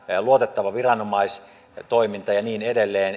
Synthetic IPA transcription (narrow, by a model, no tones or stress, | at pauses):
luot̪et̪ːɑʋɑʋirɑnomɑis | t̪oimint̪ɑjɑniːnedelːeːn